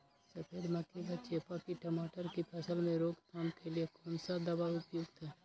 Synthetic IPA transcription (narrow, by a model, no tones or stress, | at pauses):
səpʰeːɾməkʰikat͡ʃeːpakiʈəmaːʈəɾkipʰɛːsəlmẽɾoːɡt̪ʰaːmkeliekʰoːnsad̪əbaʊpjoɡt̪ɦɛː